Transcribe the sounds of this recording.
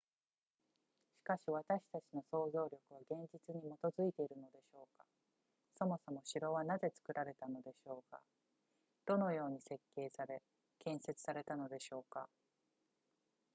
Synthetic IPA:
ɕi̥kaɕiβ̞at̪aɕi̥t̪at͡ɕino̞so̞ːzo̞ːɾʲo̞kɯ̟β̞aɡẽ̞ɲ̟d͡ʑit͡sɨɲ̟imo̞t̪o̞zɨit̪e̞iɾɯ̟no̞d̪e̞ɕo̞ːka | so̞mo̞so̞mo̞ɕiɾo̞β̞anaze̞t͡sɨ̥kɯ̟ɾaɾe̞t̪ano̞d̪e̞ɕo̞ːka̰ | d̪̥o̞no̞jo̞ːɲ̟ise̞kːe̞ːsaɾe̞ | kẽ̞ɰ̃se̞t͡sɨ̥saɾe̞t̪ano̞d̪e̞ɕo̞ːka̰

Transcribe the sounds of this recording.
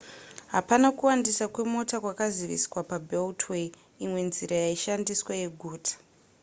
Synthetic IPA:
ɦapanakuwandisakwe̞mo̞takwakaziʋḭskwapabʱeltwe | imwe̞nziɾajaiʃandiswaje̞ɡʱuːtʰḁ

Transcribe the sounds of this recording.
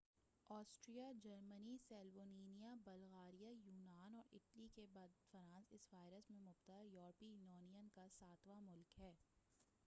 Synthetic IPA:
ɔːsʈɾijad͡ʒɐɾmənisɛːlʋoːniːnijabɐlɣaːɾijajuːnaːnɔːɾɪʈlikebad̪fəɾãːnsɪsʋaːɪɾəsmẽmʊbt̪əjɔːɾpijnɔːnijənkasaːt̪ʋamʊlkɦɛː

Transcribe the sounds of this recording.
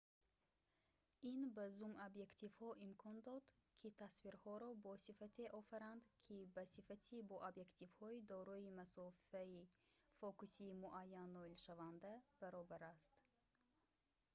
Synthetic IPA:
inbazumabje̞kt̪ʰivhɔʔimkʰɔnd̪ɔd̪kʰit̪ʰasviɾhɔɾɔbɔsifat̪ʰeʔɔfaɾand̪kʰibasifat̪ʰibɔʔabje̞kt̪ʰivhɔid̪ɔɾɔimasɔfaifɔkusiːmuʔajːanlɔilʃavand̪ab̥æɾɔbaɾast̪

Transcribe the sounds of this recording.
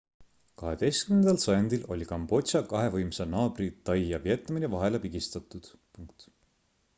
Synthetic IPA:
kɑɦe̞d̪̥e̞jst̪kymnend̪ɑlsɑjɑnd̪̥ilʔo̞̰lʲikɑmb̥o̞t̪sɑkɑɦe̞vɤjmsenɑːb̥rit̪ːɑjːɑvie̞t̪ˑːɑminevɑɦe̞lepiɡ̥ist̪ɑt̪ːˑud̪̥ | puŋkt̪

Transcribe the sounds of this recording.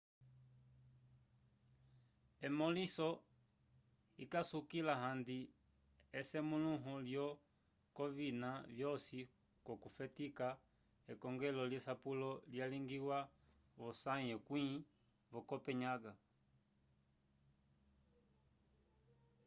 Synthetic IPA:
ɛmɔlisɔ | ikasukilaɦandi | ɛsɛmuluɦɔljɔ | kɔvinavjɔsi | kɔkufɛtika | ɛkɔŋɡɛlɔljɛsapulɔljaliŋɡiwa | βɔsaɲɛkwi | βɔkɔpɛɲaɡa

